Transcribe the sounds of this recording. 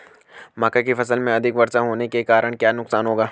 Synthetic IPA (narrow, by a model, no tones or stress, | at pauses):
maːkakifɐsəlmẽɐd̪ʱɪkʋɐɾsaɦoːnekekaːɾəɽ̃kjaːnʊksaːnɦoːɡaː